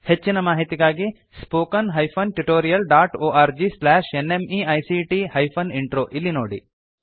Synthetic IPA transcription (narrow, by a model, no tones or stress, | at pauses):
het͡ʃːinɐmaːɦit̪iɡaːɡi | spoːkɐnɦɐjpʰɐnʈuʈoːɾijɐlɖaːʈoːʔaːɾd͡ʒislaːʂenemiːɐjsiːʈiːhɐjpʰɐniɳʈɾoːʔilːinoːɽḭ